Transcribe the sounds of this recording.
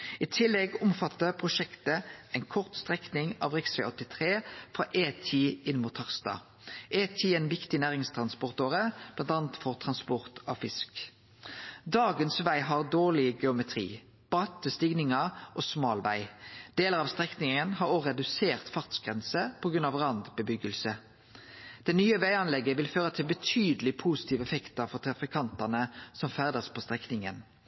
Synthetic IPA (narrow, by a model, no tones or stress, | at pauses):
ɪt̪ʰɪlːɛɡʊmfɑt̪ːəpʰʁʊʃɛkt̪əæɪnkʰɔʁt̪st̪ʁɛknɪŋɑ̰ʋʁɛksɛ̰ɔt̪ːɪt̪ʰʁeːfʁɑːʔeːt̪ʰiːɪnːmʊt̪hɑʁst̪ɑ̰ː | ʔeːt̪ʰiːeːnʋɪkt̪ɪnæːʁɪŋst̪ʰʁɑnspɔʁt̪oːʁəb̥lɑnt̪ɑːnt̪fɔʁt̪ʰʁɑnspɔʁt̪ʰɑfɪsk | d̪ɑːɡənsʋæɪɦɑʁd̪oːʁlɪɡɛʊmɛt̪ʰʁḭː | b̥ɑt̪əst̪ɪɡnɪŋəʔoːsmɑːlʋæ̰ɪd̪̥eːləʁɑʋst̪ʁɛknɪŋənhɑʁoʁɛd̪ʉseːʁt̪fɑʁt̪sɡʁɛnsəpʰɔɡʁʉnɑʋʁɑnd̪bəbʏɡəlsə | d̪̥ɛnyːəʋæɪɑnlɛɡəʋɪlføːʁət̪ʰɪlbət̪ʰyːd̪əlɪpʰusɪ̥t̪ʰiːʋəɛfɛkt̪ɑfɔʁt̪ʰʁɑfɪkʰɑnt̪ɑnəsɔmfæʁd̪əspʰɔst̪ʁɛknɪŋən